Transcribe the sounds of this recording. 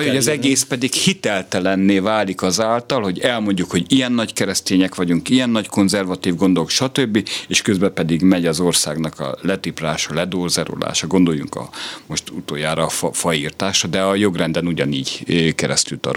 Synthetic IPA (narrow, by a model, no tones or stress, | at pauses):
ojɒzɛɡeːspɛd̪ikhit̪ɛlt̪ɛlɛnːeːvaːlikɒzaːlt̪ɒlho̞ɟɛlmo̞ɲɟukho̞ɟijɛnːɒckɛɾɛst̪eːɲɛkʋɒɟuŋkijɛnːɒɟko̞nzɛrvɒt̪iːvɡo̞nd̪olokʃɒt̪øbːieːʃkøzbɛpɛd̪iɡmɛɟɒzo̞rsaːɡn̪ɒkɒ̰lɛt̪ipraːʃɒlɛd̪oːrzɛɾo̰la̰ːʃɒɡo̞nd̪o̞jːuŋkɒ̰mo̞ʃt̪ut̪o̰ːjaːɾɒːffɒiːrt̪aːʃɒd̪ɛɒjo̞ɡrɛnd̪ɛnuɟɒniːɟkɛɾɛ̰st̪ylt̪ɒ̰ɾo̰